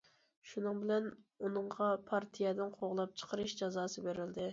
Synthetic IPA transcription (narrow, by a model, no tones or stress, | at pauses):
ʃunɨŋbɪlɛnunɨɴʁɑpʰɑɾt̪ʰijɛd̪ɪnqʰoʁlˠɑp̚t͡ʃʰə̥qʰəɾɨʃd͡ʒɑzɑːsɨbeɾɪld̪ɪ